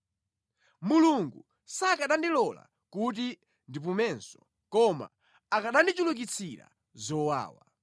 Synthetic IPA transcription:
muluŋɡu | sakaɗandilɔla̰ | kut̬i | ndip̬umɛnsɔ | kɔma̰ | akaɗandit͡ʃuluk̬it͡sʰiɾa̰ | zɔwa̰ːwa

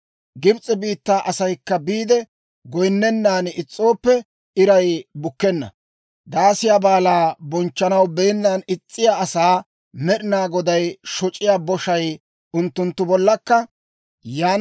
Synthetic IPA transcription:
ɡɪbt͡sʼɛbiːt̪ːaːʔɐsɐjkːɐbiːd̪ɛ | ɡɔjnːɛnːaːnɪt͡sʼːo̞ːpːɛ | ɪɾɐjbʊkːɛnːɐ̰ | d̪aːsɪjaːbaːlaːbɔnt͡ʃːɐnɐwbɛjɪnːaːnɪt͡sʼːɪjaɐsaː | mɛɗɪnaːɡɔd̪ɐjʃɔt͡ʃʼɪjaːbɔʃɐj | ʊnt̪ːʊnt̪ːʊbɔlːɐkːɐ | jaːn

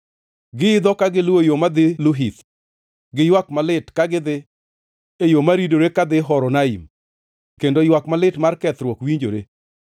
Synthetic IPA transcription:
ɡɪɪd̪ɔkaɡɪlojomad̪ɪlʊɦit̪ | ɡɪjwakmalɪtkaɡɪd̪ɪ | ejomaɾidoɾekad̪ɪɦɔɾɔnaim | kendojwakmalɪtmarkɛt̪ɾwɔkwiɲd͡ʒo̰ɾe

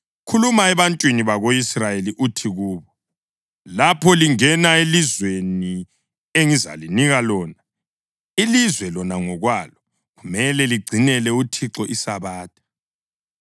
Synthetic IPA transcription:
kʰulumaɛβantʼwiniβaɣoisrajeliʔutʰiɣuːβɔ | lapʰɔliŋɛnaelizweni | eŋiza̰liniɣalɔːna | ilizwɛlɔnaŋɔɣwalɔ | ɣumɛlɛliɡ͡ǀʱinɛlɛutʰiǁɔʔisaβaːt̚ʰʼḁ

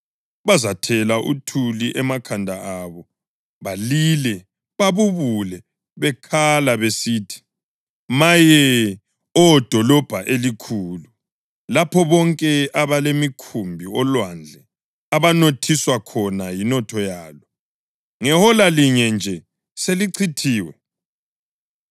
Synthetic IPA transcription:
βazatʰɛlaʔṵtʰuliʔɛmakʰandʱaaβɔ | βalilɛ | βaβuβulɛ | βɛkʰalaβesiːtʰi̥ | majɛ | ɔd̥ʱɔlɔb̥ʱaʔelikʰuːlu | lapʰɔβɔŋkʼɛaβalemikʰumbʱiɔlwand͡ɮʱɛ | aβanotʰiswakʰɔnajinɔtʰɔjaːlɔ | ŋɛhɔlaliɲɛnd͡ʒʱɛ | seliǀʰitʰiːwɛ

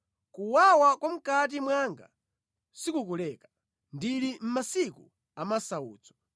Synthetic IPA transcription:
kuwawakwam̩kat̬imwaŋɡa̰ | sikukulɛkḁ | ndilim̩masiku | amasaṵːt͡sɔ̥

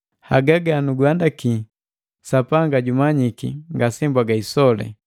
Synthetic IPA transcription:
haɡaɡanuɡwandaki | sapaŋɡaɟumaɲikḭŋɡasɛmbwaɡaisɔlɛ̰

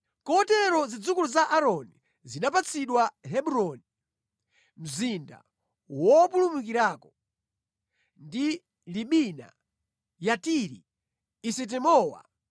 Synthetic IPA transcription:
kɔɔtɛɾɔzid͡zukuluzaʔaɾɔni | zinap̬at͡sʰiɗwaɦɛɓuɾɔni | m̩zinda̰ | wɔpulumukiɾaːkɔ | ndi | liɓina̰ | jatiɾḭː | sɛt̬ɛmɔːwa̰

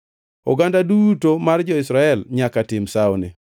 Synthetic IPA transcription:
ɔ̰ɡandaduutomard͡ʒɔɪsɾaɛlɲakatɪmsaonḛ

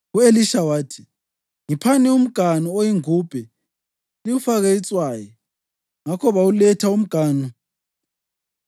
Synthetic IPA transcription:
ueliʃawaːtʰi̥ | ŋipʰanɛum̩ɡ̥ʱanuojiŋuːb̥ʱɛ | liwufaɣeit͡sʼwaːjɔ | ŋakʰɔβaulɛtʰaum̩ɡ̥ʱaːnu

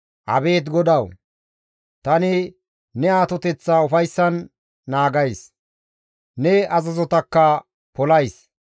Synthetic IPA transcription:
ʔɐ̰be̞ːt̪ɡɔd̪ɐw | t̪ɐnɪ | nɛaːt̪ɔt̪ɛt͡sːaʊfɐjsːɐnː | aːɡɐjs | nɛɐzɐzɔt̪ɐkːɐ | pɔlɐjs

